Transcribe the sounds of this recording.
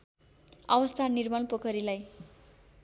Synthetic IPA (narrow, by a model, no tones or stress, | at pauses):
ʌbʌst̪ʰanirmʌnpokʌɾilaj